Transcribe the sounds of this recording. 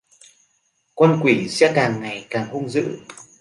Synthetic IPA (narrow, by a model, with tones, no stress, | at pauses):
kwa˧nkwi˧˩˦sɛ̰˧˥kaː˨˩ŋːa˨˩jkaː˨˩ŋhu˧ŋ͡mzɨ̰˧˥